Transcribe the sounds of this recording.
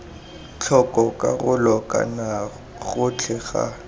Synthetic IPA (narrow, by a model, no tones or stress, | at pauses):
t͡ɬʰɔkʼɔkʼaɣʊlɔkʼa̰na | ɣʊt͡ɬʰɛɣa̰